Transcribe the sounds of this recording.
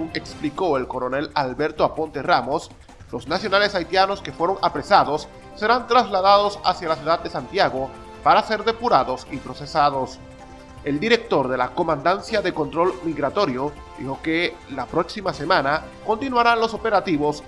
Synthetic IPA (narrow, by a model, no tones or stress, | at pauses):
uŋe̞kspliko̞elko̞ɾone̞lalβe̞ɾt̪oapo̞nt̪eramo̞s | lo̞snasjo̞nale̞sajt̪jano̞ske̞fwe̞ɾoŋapɾe̞saðo̞sː | e̞ɾant̪ɾazlað̞að̞o̞sa̰sjalasjuðad̪̚e̞sant̪jaɣo̞ | paɾase̞ɾðe̞puɾaðo̞sipɾo̞se̞saðo̞s | e̞ld̪iɾe̞k̚t̪o̞ɾðe̞lako̞mãnd̪ansjaðe̞ko̞nt̪ɾo̞lmiɣɾat̪o̞ɾjo̞ | d̪ḭxo̞ke | lapɾo̞ksimase̞mãnako̞nt̪inwaɾanlo̞so̞pe̞ɾat̪iβo̞s